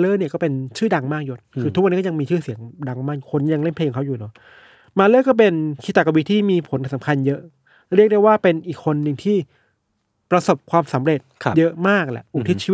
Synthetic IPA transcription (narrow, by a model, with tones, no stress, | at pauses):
lɤː˥˨ni˥˩ɐkɔː˥˩pe˧nt͡ɕʰɯː˥˩da˧ŋmaː˥˩k̚jo˦˥t̪̚kʰɯː˧t̪ʰu˦˥wni˦˥kːɔ˥jŋmiː˧t͡ɕʰɯː˥˩si˨˩˦əŋda˧ŋmaː˥˩k̚ju˨˩kʰo˧nkja˧ŋle˥˩npʰeː˧kʰːŋkʰwjuː˨˩nɔ˨˦ | maː˧lɤː˥˩kɔː˥˩pe˧nkʰi˦˥t̪a˨˩kːa˧wi˦˥t̪ʰːiː˥˩miː˧pʰo˨˦nka˧˩sa˩˦˥kʰa˧njɤ˦˥ʔ | ɾi˥˩k̚da˥˩jwaː˥˩pe˧nʔiː˨˩kʰːo˧nːɯ˨˩ŋt̪ʰiː˥˩ | pɾa˧so˨˩p̚kʰwaː˧msa˩˦mɾe˨˩t̪̚ʰjɤ˦˥ʔmaː˥˩k̚lɛ̰˨˩ʔʔu˨˩t̪ʰi˦˥t͡ɕʰiː˧˦˥